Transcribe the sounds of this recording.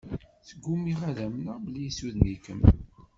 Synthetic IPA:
θəɡːumiʁæðæmənəʁbəlijsuðnikə̰m

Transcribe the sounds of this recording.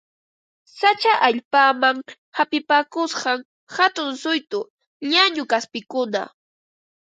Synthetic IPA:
sat͡ʃaʔaʎpamaŋ | hapɪpaːkʊsɢɑŋ | hat̪ʊnsʊjt̪ʊ | ʎaɲʊkaspɪkʊna̰

